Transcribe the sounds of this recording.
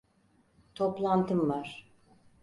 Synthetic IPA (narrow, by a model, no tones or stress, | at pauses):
t̪ʰoplˠant̪ʰɯmvaɾ̥